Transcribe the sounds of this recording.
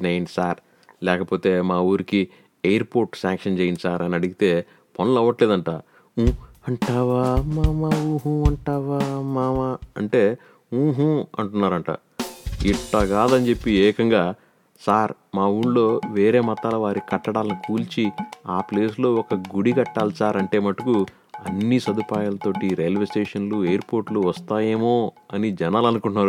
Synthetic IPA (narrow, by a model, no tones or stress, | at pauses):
neːjinisaːɾ | lɛːkɐpo̞ːt̪e̞ːmaːuːɾiki | ejɐɾpoːɾʈsaːŋkʂɐnd͡ʒeːjind̪isaːɾɐniɐɽiɡit̪e̞ː | pɐnɐlɐʋːɐʈleːd̪ɐɳʈaː | ũɐɳʈaːʋaːmaːmaũːɦũɐɳʈaːʋaːmaːmaɐɳʈe̞ː | uːɦũɐ̰ɳʈunːaːɾɐɳʈa̰ː | iʈːaɡaːd̪ɐnit͡ʃe̞pːiɛːkɐŋɡaː | saːɾ | maːuɳlo̞ːʋe̞ːɾe̞ːmɐt̪aːlɐʋaːɾikɐʈːɐɽaːlɐnikʰuːlt͡ʃiaːple̞ːslo̞ːɔkɐɡuɽiɡɐʈːaːlusaːɾɐɳʈe̞ːmɐʈuku | ɐ̰nːisɐd̪upaːjaːlɐt̪o̞ːʈiɾejlʋesʈeːʂɐnluejɐɾpo̞ːɾʈluʋɐst̪aːjeːmo̞ː | ɐnid͡ʒɛnaːlɐnukuɳʈnːaːɾu